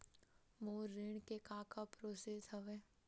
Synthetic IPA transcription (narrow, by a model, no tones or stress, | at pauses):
moːɾɪɳkekaːkapɾoːseːsɦəʋeː